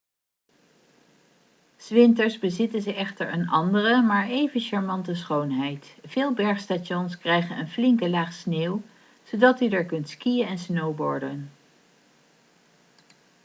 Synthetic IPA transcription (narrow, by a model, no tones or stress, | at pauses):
z̥ʋɪntəɹzbəzɪtənzəɛχtəɹənɑ̰ndərəmaːɹʔejvənʃaɹmɑntəs̬χownɦɛjtv̥ɪːlˠbɛɹχstaɔnskrɛjχənənflɪŋkəlaːχsneːw | z̥odɑtydəɹkɵntskijənɛnsnowbɔ̰ɹdən